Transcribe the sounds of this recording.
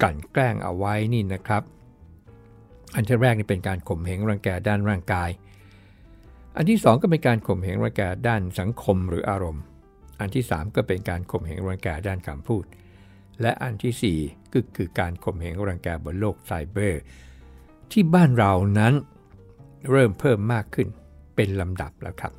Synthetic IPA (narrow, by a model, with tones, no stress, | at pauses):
ka˨˩nklɛː˥˩ŋʔa̰˧wa˦˥jniː˥˩na˦˥kʰɾa˦˥p̚ | ʔa˧nt̪ʰi˦˥˩ɾɛː˥˩k̚niː˥˩pe˧nkaː˧nkʰo˨˩mɦe˨˩˦ŋɾaː˧ŋkɛː˧daː˥˩˨nɾaː˥˩ŋkaː˧j | ʔa˧nt̪ʰiː˥˩sɔː˨˦ŋkɔ˥˩pe˧nkaː˧nkʰo˨˩mhe˩˦ŋɾaː˧ŋkɛː˧daː˥˩nsa˩˦ŋkʰo˧mɾɯː˩˦ʔaː˧ɾo˧m | ʔa˧nt̪ʰiː˥˩sa̰ː˩˦mkɔː˥˩pe˧nkaː˧nkʰo˨˩mhe˩˦ŋɾaː˧ŋkɛː˧daː˥˩nkʰa˧mpʰuː˥˩t̪̚ | lɛ˦˥ʔa˧nt̪ʰiː˥˩siː˨˩kɯ˥˩kʰɯː˧kaː˧nkʰo˨˩mhe˩˦ŋɾaː˧ŋkɛː˧bu˧˩nloː˥˩k̚sa˧jbɤː˥˩ | t̪ʰiː˥˩baː˥˩nɾa˧wna˦˥n | ɾɤː˥˩mpʰɤː˥˩mːaː˥˩kʰːɯ˥˩n | pe˧nla˧mda̰˨˩p̚lɛ̰˦˥˩wkʰɾa˦˥p̚